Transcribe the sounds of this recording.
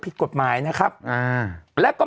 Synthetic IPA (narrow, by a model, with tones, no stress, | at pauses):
pʰi˨˩t̪̚ko˨˩t̪̚maː˩˦jna˦˥kʰa˦˥p̚ʔaː˧˩lɛː˦˥wkɔː˥˩